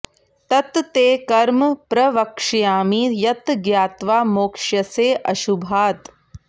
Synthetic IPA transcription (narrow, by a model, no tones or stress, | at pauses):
t̪ɐt̪t̪eːkɐɾmpɾɐʋɐkʂjaːmijɐt̪ɡjaːt̪ʋaːmoːkʂjɐseːʔɐʃubʱaːt̪